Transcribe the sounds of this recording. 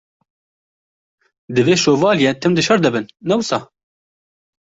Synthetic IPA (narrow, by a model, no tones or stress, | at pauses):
d̪ɨveːʃoːvɑːljɛt̪ʰɨmd̪ɨʃɐɾd̪ɨbɨnːɛwɨsɑː